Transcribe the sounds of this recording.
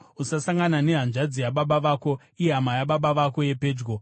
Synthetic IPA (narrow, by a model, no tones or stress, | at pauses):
usasaŋɡanane̞ɦanʐad͡zijaɓaɓaʋaːko̞ | ijeɦamajaɓaɓaʋako̞je̞pe̞ːd͡ʒɡo